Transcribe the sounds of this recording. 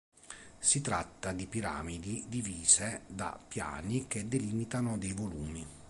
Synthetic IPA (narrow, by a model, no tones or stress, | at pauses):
sit̪ɾat̪ːad̪ipiɾa̰ːmid̪id̪iviːzed̪a̰pːja̰ːnik̟ed̪eliːmit̪anod̪ejvoluːmi